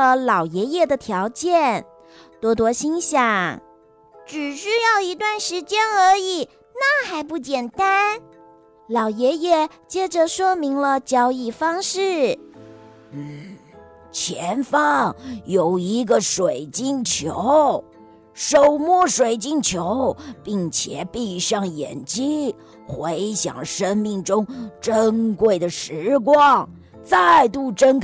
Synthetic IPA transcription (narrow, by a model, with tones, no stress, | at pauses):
ə˧lɑ˨˩ʊjɛ˧˥jɛ˥˩d̪ə˩t̪ʰjɑ˧˥ʊt͡ɕjɛ˥˩n | t̪wɔ˥t̪̬wɔ˥ɕi˥nɕjɑ˨˩ŋ | ʈ͡ʂɻ̩˨˩ɕy˥jɑ˥˩ʊi˧˥t̪wa˥˩nʂɻ̩˧˥t͡ɕjɛ˥nə˞˧˥i˨˩ | na˥˩xa˧˥ɪp̬u˥˩t͡ɕjɛ˨˩nt̪a˥n | lɑ˨˩ʊjɛ˧˥jɛ˥˩ | t͡ɕjɛ˥ʈ͡ʂə˨ʂwɔ˥mi˧˥ŋlə˧t͡ɕjɑ˧˥ʊi˨˩fɑ˥ŋʂɻ̩˥˩ | n̩˥˩ | t͡ɕʰjɛ˧˥nfɑ˥˩ŋjo˨˩ʊi˧˥ɡə˧ʂwe˨˩ɪt͡ɕi˥˩ŋt͡ɕʰjo˧˥ʊ | ʂo˨˩ʊmwɔ˥˩ʂwe˨˩ɪt͡ɕi˥˩ŋt͡ɕʰjo˧˥ʊpi˥˩ŋt͡ɕʰjɛ˨˩˦pi˥˧˩ʂɑ˥˩ŋjɛ̰˨˩nt͡ɕi˥ | xwe˧˥ɪɕjɑ̰˨˩ŋʂə˥nmi˥˩ŋʈ͡ʂʊ˥ŋʈ͡ʂə˥ŋkwe˥˩ɪd̪ə˩ʂɻ̩˧˥k̬wɑ˥˩ŋ | t͡sa˥˧ɪt̪u˥˩ʈ͡ʂə˥n